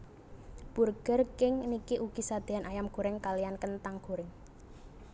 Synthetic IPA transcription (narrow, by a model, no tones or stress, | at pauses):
b̥ṳrɡ̥ə̤rkɪŋnikiʔuɡ̥isad̪̥e̤anʔajamɡ̥oɾɪŋkalijankənt̪aŋɡ̥oɾɪŋ